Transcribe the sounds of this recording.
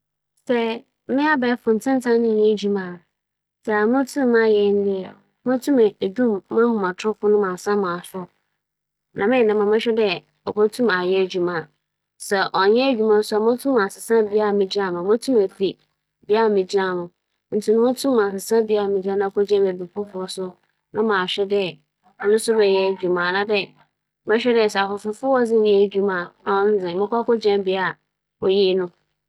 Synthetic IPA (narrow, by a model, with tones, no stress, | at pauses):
sɛ˦ | mɪ̃˦a˦bɛː˨˦fʊ̃˨n̩˨tʰɪ̃˦n˦tʰã˦nɪ̃˦˨ɲɛ̃˦d͡ʑu˨mã˨ | sɛ˨mʊ̃˦tʰũ˦m˦mã˦˨jɛ˨˦n̩˦dɪ˦ɛ˨ | mã˦tʰũ˦mɛ˨e˨dũ˦mːã˦hʊ̃˨mã˨tʰʊ˦fʊ˦nʊ̃˦mã˨sã˦mã˨sʊ˦ | nʔã̰˨mɪ̃˦˨nã˨mã˨mɪ̃˦ɕᶣɛ˦dɛ˦ | ɔ˨kʰɔ˦tʰũ˦ma˨jɛ˦˨d͡ʑᶣu˨mã˨ | sɛ˨ʔɔ˨ɲɛ̃˦d͡ʑᶣu˦mã˦n˦sʊ˦a˨mʊ̃˦tʰũ˦ma˨sɪ˨sã˦bi˦a˦a˨mɪ̃˨d͡ʑa˦˨mã˨mã˦tʰũ˦me˨fi˨ | bi˦a˦˨mɪ̃˨d͡ʑi˦ɾã˦˨mʊ̃˨ | n̩˨tʰi˨˦nʊ̃˦ʊ̃˦tʰũ˦m˨ã˨sɪ˨sã˦bi˦a˦˨mɪ̃˨d͡ʑã˦nã˦kɔ˦d͡ʑã˦me˨bi˨pʰʊ˦fʊ˦ɔ˦sʊ˦ | nã˦mãː˨ɕᶣɛ˦dɛ˦ | ɔ˦nʊ̃˦sʊ˦bɛ˨jɛ˦˨d͡ʑᶣu˨mã˨nã˦dɛ˦ | mɛ̃˦ɕᶣɛ˦dɛ˦˨sɛ˨a˨fʊ˨fʊ˨˦fʊ˦wɔ˦d͡zɪ̃˦jɛ˦˨d͡ʑᶣu˦mã˨ã˨wɔ̃˦n̩˦d͡zɪ̃˨mɪ̃˦kʷa˦kɔ˦d͡ʑɛ̃˦mbi˦a˨ | ɔ˨jiː˦nʊ̃˦